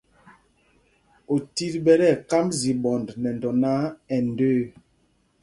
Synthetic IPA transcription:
o˨ti˦ɾɓɛ˦ɾɛ˦˨ka˦mzi˨bɔ˨ndnɛ˨n˨dɔ˨na˦ɛ˨ndøː˦

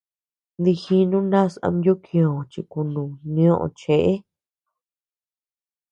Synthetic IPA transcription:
d̪i˧xi˧˦nũ˦nã˦˨sã̰˧mjo˦kʰĩ˧õ˨t͡ʃi˧ku˧nũ˨nĩ˧˦õ˦ʔõ̰˧t͡ʃe˨ʔe˦

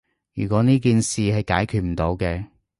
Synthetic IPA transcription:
jyː˨˩kʷɔː˨˧˥niː˥k̬iː˨˧nsiː˨hɐ˨jka̰ː˨˥jkʰyː˨t̚m̩˨˩t̪o˨˧˥wkɛː˧

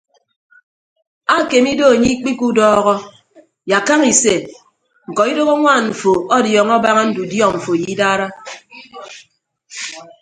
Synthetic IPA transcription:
a˦˨ke˨mi˦do˦˨ɲi˦k͡pi˦ku˦dɔː˦ɣɔ˦ | ja˨ka˦ŋi˨se˨ | ŋ̩˨kɔ˨i˦do˦ɣo˦ŋʷa˦˨nɱ̩˨fo˨ɔ˦djɔː˨ŋɔ˦ba˦ŋa˦n̩˦du˨djɔ˦˨ɱ̩˨fo˨ji˨˦daː˦ɾa˦

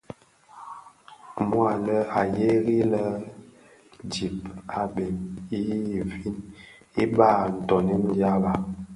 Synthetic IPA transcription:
mwa˨lə˦a˨je˦ɣi˦lə˦ | d͡ʒi˨p̚a˨ɓe˨mi˦˨vi˦n | i˦ɓa˦˨n̩˨tɔ˨ni˦n˦dja˦ba˦

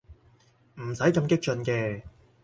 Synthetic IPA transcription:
m̩˨˩sɐ˨˥jkɐ˧mkɪ˥k̚t͡ʃɵ˧nkɛː˧

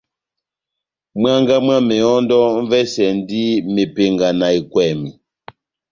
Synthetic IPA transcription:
mwa˦ŋɡa˦mwa˦mɛ˨ɔ˦ndɔ˦ɱ̩˦vɛ˦sɛ˨n˦di˦me˨pe˨ŋɡa˨na˨i˨kwɛ˨mi˨

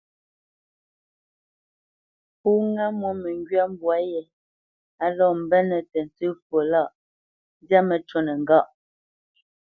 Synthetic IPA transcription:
pu˦ŋa˦mwo˦mɛ˨ŋɡɥa˦m̩˦bwa˨˦jɛ˨ | a˨lɔ˦˨m̩˨bɛ˦nɛ˨tɛ˨n˨tʉ˦fwo˨la˦˨ʔ | n˦dja˦mə˨t͡ʃo˦nə˨ŋ˨ɡa˦˨ʔ

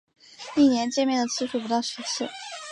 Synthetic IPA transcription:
i˥˩njɛ˧˥nt͡ɕjɛ˥˧nmjɛ˥˩nd̪ə˩t͡sʰɹ̩˥˧ʂu˥˩p̬u˧˥t̪ɑ˥˩ʊʂɻɛ˧˥sʰɹ̩˥˩

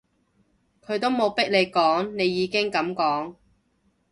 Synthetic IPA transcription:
kʰɵ˨˧ɥt̪o˥wmo˨˧wpɪ˥k̚le˨˧jkɔː˨˥ŋne˨˧jːiː˨˧kɪ˥ŋkɐ˨˥mkɔː˨˥ŋ

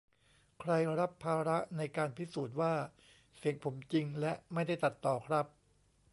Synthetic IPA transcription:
kʰɾa˧jɾa˦˥pʰːaː˧ɾa˦˥ʔna˧jkaː˧npʰi˦˥suː˨˩t̪̬̚waː˥˩ | si˨˩˦əŋpʰo˩˦mt͡ɕi˧ŋlɛ˦˥ʔma˥˩jda˥˩jt̪a˨˩t̪ːɔː˨˩kʰɾa˦˥p̚

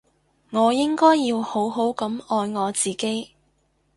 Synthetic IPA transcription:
ŋɔː˨˧jɪ˥ŋkɔː˥jːiː˧who˨˥wɦo˨˥wkɐ˨˧˥mɔː˧jŋɔː˨˧t͡siː˨ke˥j

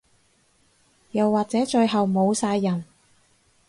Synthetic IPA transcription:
jɐ˨˩wːaː˨k̚t͡sɛː˨˥t͡ʃɵ˧ɥɦɐ˨wmo˨˧wsaː˧jːɐ˨˩n

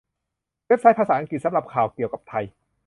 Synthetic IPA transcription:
we˦˥p̚sa˦˥jpʰaː˧saː˩˦ʔa˧ŋki˨t̪̚sa˨˦mɾa˨˩p̚kʰaː˨˩wki˨˩əwka˨˩p̚t̪ʰa˧j

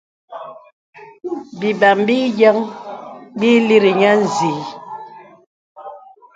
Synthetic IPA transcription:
bi˨ba˨mbi˦jə˦ŋ | bi˦li˦ɾi˨ɲa˦n̩˨zi˨˦

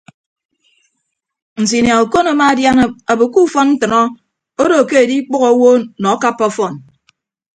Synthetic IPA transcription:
n̩˨s̬i˨nja˨u˨ko˦na˨˦ma˦a˦dja˦n˦a˨bo˨ku˦fɔ˦nn̩˦tɨ˨nɔ˦ | o˦do˨ke˦e˨di˦k͡pɔ˦ɣɔ˨˦wo˦nɔ˨˦ka˦pːɔ˦fɔ˦˨n

